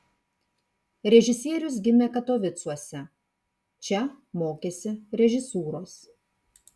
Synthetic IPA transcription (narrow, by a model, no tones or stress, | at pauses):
ɾʲɛʒʲɪsʲiɛɾʲʊs̬ɡʲɪmʲeːkɐt̪oːʋʲɪt̪suɔsʲɛ | t͡ʃʲɛmoːkʲeːsʲɪɾʲɛʒʲɪsuːɾoːs